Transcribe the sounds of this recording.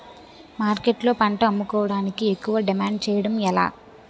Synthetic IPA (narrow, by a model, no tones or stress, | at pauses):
maːɾkeʈlo̞ːpɐɳʈɐɐmːukɔːʋɐɽaːnikiekːuʋɐɖimaːɳɖ̚t͡ʃɛːjɐɽɐmɛla̰ː